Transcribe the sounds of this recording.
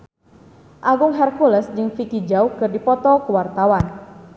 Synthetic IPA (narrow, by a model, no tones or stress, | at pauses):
ʔaɡʊŋɦɛrkuləsd͡ʒɨŋfikid͡ʒawkɨrdipɔt̪ɔkuwart̪awan